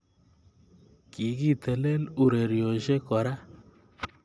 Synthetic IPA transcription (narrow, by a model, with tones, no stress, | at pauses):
ki˨ki˦t̪ə˨le˦lu˨ɾe˨ɾjo˨ʃe˦kɔ˨ɾa˦